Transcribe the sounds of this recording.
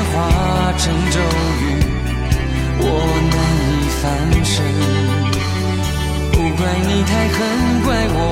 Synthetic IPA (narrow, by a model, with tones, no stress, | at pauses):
xwa˧˥ | ʈ͡ʂʰɤ˧˥ŋʈ͡ʂo˥˧ʊ | y˧˥ | wʔɔ˨˩ | nə˧˥ŋ | i˨˩fa˧˥nʂə˧˥ | pu˧˩kwa˥˩nni˨˩t̪ʰa˥˧ɪxə˧˥n | kwa˥˩ɪwɔ˨˩